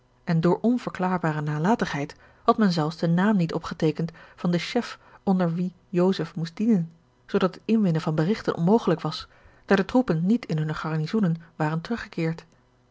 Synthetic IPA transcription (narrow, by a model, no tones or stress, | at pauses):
ʔɛndʊːɹʔɔnv̥əɹklaːɹbaːrənaːlaːtəχɦɛjt | hɑtmɛnzɛlˠfsdənaːmnitɔpχətejkəntfɑndəʃɛfʔɔndəɹʋi | jowzəfmustd̥inən | z̥owdɑtətɪnʋɪnəvɑnbərɪχtənʔɔ̰nmowχələkʋɑsd̥aːɹdətrupənːitɪnɦɵnəχɑɹnizunənʋaːrəntərɵχəkɪːɹt